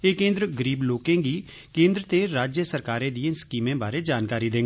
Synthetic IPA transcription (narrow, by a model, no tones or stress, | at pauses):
eːkẽːnd̪ɾəɡəɾiːbloːkẽːɡiː | kẽːnd̪ɾət̪eːɾaːd͡ʒjəsəɾkaːɾẽːd̪ĩẽskiːmẽːbaːɾeːd͡ʒaːnkaːɾiːd̪ẽːŋɡː